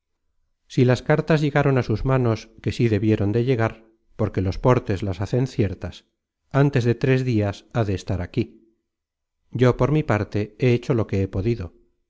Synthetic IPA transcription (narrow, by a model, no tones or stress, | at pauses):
silaskaɾt̪azʝe̞ɣaɾo̞nasuzmano̞ske̞siðe̞βjeɾo̞nd̪e̞ʎe̞ɣ̞aɾ | po̞ɾke̞lo̞spo̞ɾt̪e̞zlasaθe̞nθje̞ɾt̪as | ant̪e̞zðe̞t̪ɾe̞zðiasaðe̞ːst̪aɾaki | ɟ͡ʝo̞po̞ɾmipaɾt̪e̞eet͡ʃo̞lo̞ke̞epo̞ðiðo